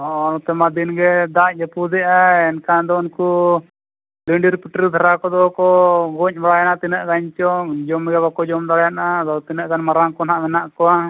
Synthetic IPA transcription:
ɔnɔt̪ɛmad̪inɡɛd̪ad͡ʒɛpud̪ɛʔaɛnkad̪ɔunku | liɳɖiɾpiʈɾid̪ʰʱaɾakɔd̪ɔkɔɡɔɲmaɽajanat̪inəʔɡaɲt͡ʃɔd͡ʒɔmɡɛbakɔd͡ʒɔmd̪aɽjanaːd̪ɔwt̪inəʔɡanmaɾaŋkɔnaʔmɛnaʔkɔwa

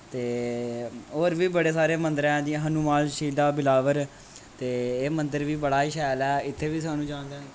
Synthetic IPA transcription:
t̪eː | oːɾʋiːbəɽeːsaːɾeːmə̃nd̪əɾɛ̃ːd̪ĩɦənumaːlʃiːd̪aːbɪlaːʋəɾ | t̪eːeːmənd̪əɾʋiːbəɽaːʃɛːlɛːɪt̪ʰːeːʋiːsaːnũːd͡ʒãːnd̪ãː

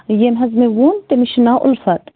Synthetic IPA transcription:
jemɦɐzmewuːnt̪emiʃnaːʔʊ̰lfɐt̪

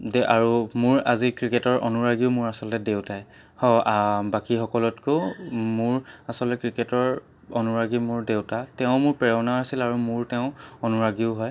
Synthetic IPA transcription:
dɛʔaɹumʊɹa̰zikɹiketɔɹʔɔ̰nuɹaɡiʊmʊɹasɔlɔtɛdewtaj | hɔbakixɔkɔlɔtkomʊɹasɔlɔtɛkɹiketɔɹ | ɔnuɹaɡimʊɹdewtatɛʊ̃mʊɹpɛɹɛnaasilaɹumʊɹtɛʊ̃ɔnuɹaɡiʊɦɔj

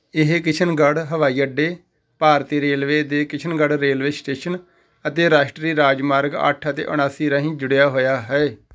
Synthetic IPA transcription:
ɪɦkɪt͡ʃʰənɡəɽɦəʋaːiːəɖeː | paːɾt̪iːɾeːlʋeːd̪eːkɪt͡ʃʰənɡəɽɾeːlʋeːsʈeːʃən | ət̪eːɾaːʃʈɾiːɾaːd͡ʒmaːɾɡə̰ʈʰət̪ḛːʔʊ̰ɽ̃aːsiːɾãːɦĩːd͡ʒʊɽjaːɦoːjaːɦɛː

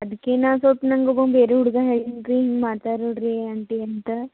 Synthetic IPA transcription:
ɐd̪keːnaːsoːʈnɐŋɡobɐmbeːɾeuɽɡaɦeɭint̪iɦiŋɡmaːɾt̪aːɾoɽɾeɐɳʈeɐnt̪ɐ

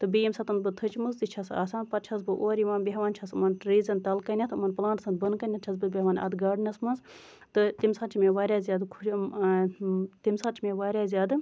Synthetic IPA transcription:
t̪ɨbijimsɐt̪ɐnbɨt̪ʰɨt͡ʃmɨzd̪it͡ʃʰɐsa̰ːsaːnpɐt̪̚t͡ʃʰɐs̬bɨʔoːɾjiʋaːnbʲeɦʋaːnʲt͡ʃʰɐsɨmɐnʈɾiːzɐnt̪ɐlkɐnʲɐt̪ʰɨmɐnpɨlãːnd̪sɐn̚bɐnkɐnʲɐt̪̚t͡ʃʰɐsbɨbʲeɦʋaːnʲɐ̰d̪ɡaːɖnɐsmɐnz | t̪ɨt̪imsaːt͡ʃʰimeʋaːɾʲjaːzʲjaːd̪kʰu | t̪imsaːt͡ʃʰimeʋaːɾʲaːzʲjaːd̪ɨ

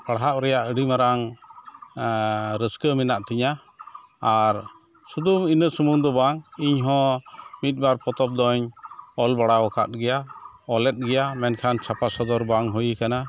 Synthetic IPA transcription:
paɽɦaʔ̚ɾɛjaʔəɽimaɾaŋ | ɾəskəminaʔt̪iɲaː | ɾ | sud̪uminəsumuŋd̪ɔbaŋiɲɦɔ̃mit̪̚ˀbaɾpɔt̪ɔp̚d̪ɔɲɔlbaɽawɔkʰa̰t̪̚ɡɛjaɔlɛt̪̚ˀɡɛjamɛnkʰant͡ʃʰapasɔd̪ɔɾbaŋɦɔjikana

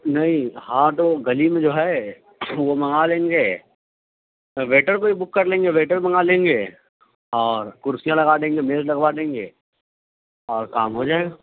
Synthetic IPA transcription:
nɐɦĩhãːt̪oɡɐlimẽd͡ʒoːɦɛ | ʋomɐ̃ŋalẽːŋɡe | ʋeːʈəɾkoibʊkːɐɾlẽːŋɡeʋeːʈəɾmɐŋalẽːŋɡe | ɔːɾkʊɾsijãlɐɡad̪ẽːŋɡemeːllɐɡʋad̪ẽːŋɡḛː | ɔːɾkaːmɦod͡ʒaːeɡaː

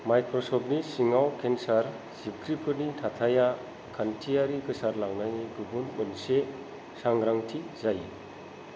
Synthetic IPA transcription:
majkʰɾɔsɔbnisiŋawkʰensaɾ | z̥ib̚kʰɾipʰɯɾnitʰat̪ʰaja | kʰantʰijaɾikɯsaɾlaŋnajɡɯbunbɯnse | saŋɾaŋtʰizaj

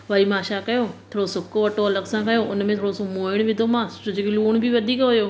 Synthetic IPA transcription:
ʋaːimaːʃakɐjoːt̪ʰoːɽosʊkoʋɐʈoɐləɡsãkɐjoʔʊnmẽt̪ʰoːɽosomoːɪɽ̃ʋɪd̪ʱomãːʊd͡ʑekeluːɽ̃bʱiʋɐd̪ʱiːkɦʊjoː

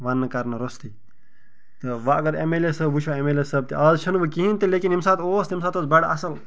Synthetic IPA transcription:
ʋanːɐkɐɾnɐɾost̪i | t̪ɨʋaɐɡɐɾḛmelesɐbbut͡ʃʰaemelesɐb̚t̪iʔɐːzt͡ʃʰɐnʋəkiɦint̪ilekinimsaːt̪oːst̪imsaːt̪oːsbɐɽɐsɐl

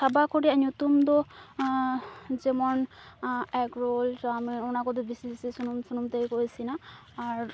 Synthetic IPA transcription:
sʰabakɔɹianutumdɔ | zɛmɔn | ɛkɹoltːmɔɔnakɔdɔbisibisisunumsunumtejkojsinaː | ɹ

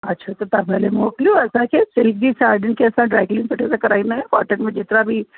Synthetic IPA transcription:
ɐtːʃʰat̪ot̪ɐbpɛɦlemoːklioɛːsakesɪlk̚d͡ʒisaːɾɖə̃ɳʈkeɐsãɖɾaːɪklɪ̃ŋpɐʈʰezakɐɾaːinaɦɛ̃kaːʈəɾmẽd͡ʒɪt̪nabʱi

